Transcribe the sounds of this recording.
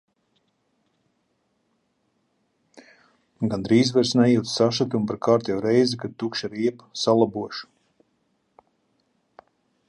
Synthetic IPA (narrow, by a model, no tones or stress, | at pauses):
ɡand̪ɾiːzvɛɾsnɛjuwt̪ssaʃat̪umpaɾkaːɾt̪jawɾɛjzkad̪̚t̪ukʃaɾiɛpsalˠabuɔʃu̥